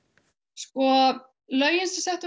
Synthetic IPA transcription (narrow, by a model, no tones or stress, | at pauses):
skɔ | lœɥjɪnsɪ̥sɛht̪